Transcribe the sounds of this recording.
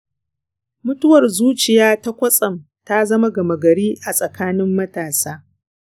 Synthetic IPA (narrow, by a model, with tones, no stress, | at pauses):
mʊ˦tʊ˦wɐ˨rzuː˦t͡ʃɪ˨jaː˦ta˦kʷɐ˦sʼɐ˨m | ta˦zɐ˦ma˦ɡɐ˨mɐ˨ɡɐ˨ɽiː˦ʔa˨sʼɐ˨kaː˦nɪ˦mːɐ˦taː˨saː˦